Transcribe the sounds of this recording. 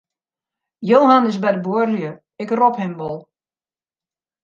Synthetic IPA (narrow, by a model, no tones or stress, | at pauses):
joːɦanɪsbɛjdəboərljə | ɪkrɔphɪmʋɔlˠ